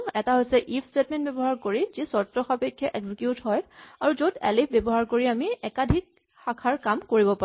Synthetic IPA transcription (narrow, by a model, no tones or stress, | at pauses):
ɛtaɦojsɛʔipʰstetmɛ̃ntbɛbɔɦaɹkoɹizisɔtɹɔxapekʰːjɔʔɛɡzikjutɦɔjaɹuzodɛlip̚ʰbjɛbɔɦaɹkoɹiamiɛkadʱik̚ | xakʰaɹkamkoɹibɔpa